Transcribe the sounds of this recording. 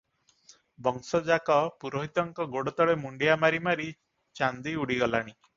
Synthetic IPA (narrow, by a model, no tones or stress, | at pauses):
bɔŋsɔd͡ʒakɔpuɾɔɦit̪ɔŋkɔɡoɽɔt̪ɔɭemuɳɖijamaɾimaɾi | t͡ʃand̪iuɽiɡɔlaɽ̃i